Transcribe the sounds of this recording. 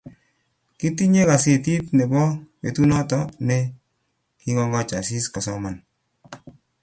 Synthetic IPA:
ki˦ti˦ɲe˦ka˨se˨ti˦tne˨bɔ˦pḛ˨tu˦nɔ˦tɔ˦ne˦ | ki˦ŋɔ˦ŋɡa˦t͡ʃa̰˨si˦ska˨sɔ˦ma˨n

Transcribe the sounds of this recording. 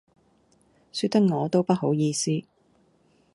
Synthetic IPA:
syː˧t̪ːɐ˥k̚ŋɔː˨˧t̪o˥wpɐ˥t̚ɦo˨˥wjiː˧siː˥

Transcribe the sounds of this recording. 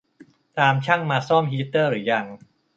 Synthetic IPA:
t̪aː˧mt͡ɕʰa˥˩ŋmaː˧sɔː˥˩mɦiː˧˥t̪ːɤː˥˩ɾɯː˩˦ja˧ŋ

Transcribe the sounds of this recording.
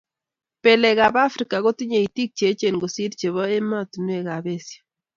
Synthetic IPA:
pe˨lɛ˨ka˨ba˦fɾika˨ko˦ti˦ɲe˨i˨ti˦k̚t͡ʃe˨˦t͡ʃe˨nɡo˨si˦ɾt͡ʃe˨βɔ˦e˦ma˦tu˨nwe˦˨ka˨be˦sjḁ˨

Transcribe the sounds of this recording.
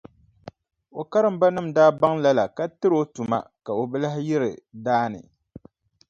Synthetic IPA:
o˨ka˦ɾɨ˨m̩˦ba˦nɨ˦m̩daː˦ba˦ŋla˦la˨ka˦tɨ˦ɾo˦tu˨ma̰˨ka˨o˨bɨ˦la˦hjɪ˦ɾɨ˨daː˦nɨ̰˨

